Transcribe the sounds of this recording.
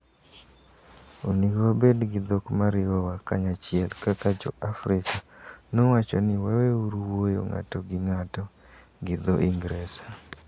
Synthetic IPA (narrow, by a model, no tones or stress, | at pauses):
oniɡwabedɡɪd̪okmaɾɪwɔwakaɲat͡ʃɪɛlkakad͡ʒɔ̰ʔafɾɪkanowat͡ʃɔnɪwaweuɾwojo̰ŋa̰tɔɡɪŋatɔ | ɡɪd̪oʔiŋɡɾesa